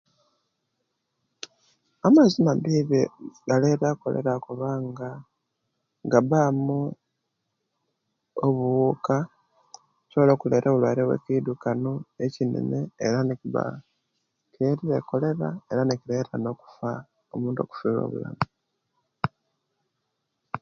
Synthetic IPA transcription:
amazimabiːβeɡaleɾaːko̞̰le̞̰ɾakoβaːŋɡa | ŋɡaβamu | oβuuka | coːlo̞ːkuleːɾʔeβulwaɾewḛkidukanoecinḛneːɾanekiβa̰ | kʰeɾiɾeko̞le̞ɾae̞ɾanekiɾeːɾano̞ːku̥fa | omuːnto̞̰ku̥fiːlo̞̰ːβṵla̰mu

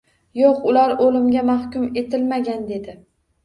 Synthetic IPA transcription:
joqʊlaɾolɪmɡʲamahkʲʊme̞t̪ɪlmaɡʲand̪e̞d̪ɪ

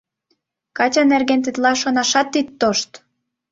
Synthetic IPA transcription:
kɑt͡ɕɑnerɣent̪it̪lɑʃonɑʃɑt̪ːit̪ːoʃt̪

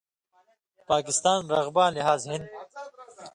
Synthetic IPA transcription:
paːkɪst̪aːnɾɐɣbaːnliɦaːzhɪnd̪

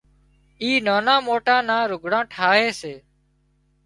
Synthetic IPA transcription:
iːnaːnãːmoːʈãːnãːɾʊɡʱɽãːʈʰaːɦeːseː

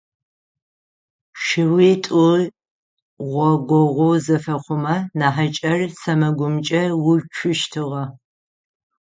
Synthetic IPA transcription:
ʃɪwitʼu | ʁʷɔɡʷɔʁʷozɐfɐχʷʊmɐnaːħat͡ʃʼɐrsɐmɐɡʷʊmt͡ʃʼɐwʊt͡ʃʷʰʊʃtʰɨʁɐ

